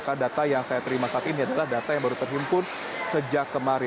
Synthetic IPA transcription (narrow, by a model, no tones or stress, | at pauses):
kandat̪ajaŋsajat̪əɾimasaːt̪iniadalahdat̪ajaŋbaɾut̪ərɦimpʊr | səd͡ʒakːəmaɾɪ